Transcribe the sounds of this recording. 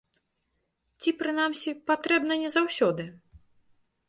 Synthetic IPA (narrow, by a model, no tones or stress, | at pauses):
t͡sʲipɾɨnamsʲipat̪ɾɛbnɐnʲɛzawsʲɔd̪ɨ